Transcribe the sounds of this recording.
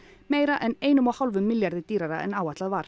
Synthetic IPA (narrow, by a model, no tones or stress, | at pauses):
meːjɾaʔɛneːjnʏmawhawlvʏmːɪljaɾðɪt̪iːɾaɾaɛ̰naːwat̪laðvaɾ̥